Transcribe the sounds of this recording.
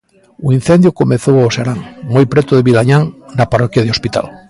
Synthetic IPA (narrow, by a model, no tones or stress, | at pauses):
uin̟θẽnd̪jokomeθowaoseɾaŋmojpɾet̪oðeβilaɲaŋnaparokjað̞eospit̪a̰l